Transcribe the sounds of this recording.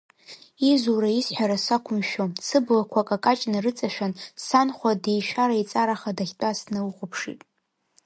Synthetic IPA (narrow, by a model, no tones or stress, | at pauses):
izuɾaisħʷᶣaɾasakʷʰʊmʃomsɨblakʷʰakʼakʼat͡ʃʼnɨrɨt͡sʼaʃᶣansanχʷadejʃᶣaɾait͡sʼaɾaχadaχʲtʷʼasnɨwuχʷʊpʰʂḭtʼ